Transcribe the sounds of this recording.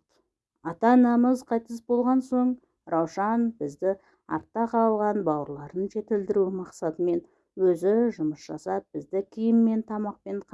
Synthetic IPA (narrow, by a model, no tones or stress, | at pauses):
ɑt̪ɑnɑməzqʰɑjt̪əsbo̞lˠʁɑnso̞ɴ | ɾʔɑwʃɑnbɪzd̪ɪ | ɑ̰ɾt̪ːɑqɑlˠʁɑnbɑwəɾlˠɑɾənʒe̞t̪ɪld̪ɪɾumɑqsɑt̪əme̞n | wɵzɪʒʊməsʒ̥ɑsɑp̚b̥ɪzd̪ɪkʲʰɪjɪmːe̞nt̪ʰɑmɑq̚penqʰ